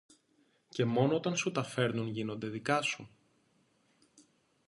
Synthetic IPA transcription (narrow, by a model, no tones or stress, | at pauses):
ce̞mo̞noot̪ɐnsut̪ɐfe̞ɾnunʝino̞nd̪e̞ðikɐsu